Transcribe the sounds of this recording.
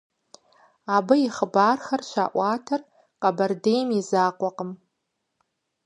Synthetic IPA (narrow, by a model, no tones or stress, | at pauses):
abɨiχbaːrxarʃʷa̰ʔʷaːtʰar | qʼabɐrdejmizaːqʷʼaqʼəm